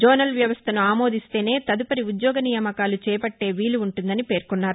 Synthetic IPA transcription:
d͡ʒoːnɐlʋjɐʋɐst̪ʰɐnuaːmo̞ːd̪ist̪e̞ːne̞ːt̪ɐd̪upɐɾiud̪jɔːɡɐnijɐmɐkaːlut͡ʃɛːjɐpɐʈːe̞ːʋiːlːuːɳʈund̪ɐnipe̞ːɾkunːaːɾu

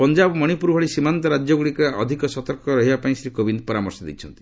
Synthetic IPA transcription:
pɔnd͡ʒabɔmɔɽ̃ipuɾbʱɔɭisimant̪ɔɾad͡ʒjɔɡuɽikaɔd̪ʱikɔsɔt̪ɔɾkɔɾɔɦibapaĩsɾikobʱind̪pɔɾamɔɾsɔd̪ḭt͡ʃʰɔnt̪i̥

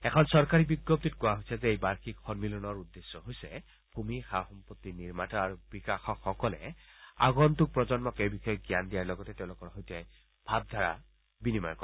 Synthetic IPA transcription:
ɛkʰɔnsɔɹkaɹibiɡːop̚titkowaɦojsɛzɛejbaɹxʰikxɔnmilɔnɔɹudːesːɔɦojsɛ | b̥ʱumixaxɔmpɔtːiniɹmatɔaɹub̥ikaxɔkxɔkɔlɛ̰a̰ɡɔntuk̚pɹɔzɔnmɔkejbixɔjɔɡjandijaɹlɔɡɔtɛtɛʊ̃lʊkɔɹɦɔjtɛ | b̥ʱab̚dʱaɹa̰ | binimajkɔ

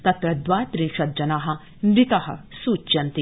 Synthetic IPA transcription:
t̪ɐt̪ɾɐd̪waːt̪ɾĩnʃɐt̪̚d͡ʒɐnaːɦɐ̆ | mɾit̪ɐɦɐ̰suːt͡ʃt͡ʃɐnt̪i

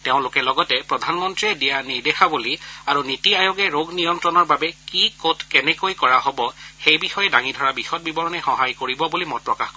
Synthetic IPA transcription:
teʊ̃lʊkɛlɔɡɔtɛpɹɔdʱanmɔntɹiɛdijaniɹdɛxabuliaɹunitiajoɡɛɹoɡʱnijɔmtɹɔnɔɹbabɛkikotʰkɛnɛkojkɔɹaɦobɔxejbixɔjɛdaŋidʱɔɹabixɔt̚bibɔɹɔnɛxɔɦajkoɹibɔbulimɔpɹɔkaxkɔ

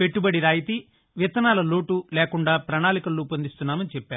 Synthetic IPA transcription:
pe̞ʈːubɐɽiɾaːjit̪i | ʋit̪ɐnaːlɐlo̞ːʈulɛːkuɳɖaːpɾɐɳaːlikɐlːupond̪ist̪unːaːmɐnit͡ʃɛpːaːɾu

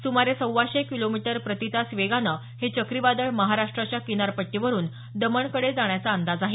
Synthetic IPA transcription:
sumaɾesəwːaɕekilomiʈəɾpɾət̪it̪asʋeɡanə | het͡ɕəkɾiʋad̪əɭməɦaɾaʂʈɾat͡ɕjakinaɾpəʈːiʋəɾuːn | d̪əməɳkəɽed͡zaɳjat͡saːnd̪ad͡zaɦe

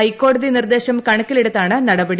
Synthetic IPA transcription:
ɐjkːo̞ːɽɐðinird̪e̞ːɕɐmkɐɳɐkːileɽut̪ːaːɳɨnɐɽɐbɐɽi

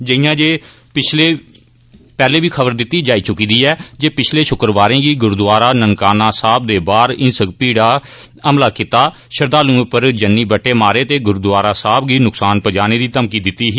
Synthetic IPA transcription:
d͡ʒəiːjãːd͡ʒeː | pɪt͡ʃʰleː | pɛːleːbiːkʰəbəɾd̪ɪt̪ːiːd͡ʒaːiːt͡ʃʊkiːd̪iːɛːd͡ʒeːpɪt͡ʃʰleːʃʊkɾʋaːɾẽːɡiːɡʊɾd̪ʊʋaːɾaːnəŋkaːnaːsaːb̚d̪eːbaːɾɪnsəkpiːɽaː | əmlaːkit̪aː | ʃəɾd̪aːlũːpəɾd͡ʒənːiːbəʈːeːmaːɾeːt̪eːɡʊɾd̪ʋaːɾaːsaːbɡiːnʊksaːnpəd͡ʒaːneːd̪iːt̪əmkiːd̪ɪt̪ːiːɦiː

